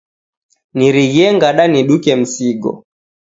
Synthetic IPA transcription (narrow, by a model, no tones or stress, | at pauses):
niɾiɣiɛŋɡaɗaniɗukɛm̩siɡɔ̰